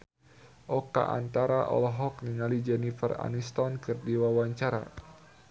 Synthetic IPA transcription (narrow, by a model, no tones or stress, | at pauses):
ʔɔka̰ʔa̰nt̪aɾaʔɔ̰lɔɦɔkniŋalid͡ʒɛnifəra̰nist̪ɔnkɨrdiwawaɲt͡ʃaɾa̰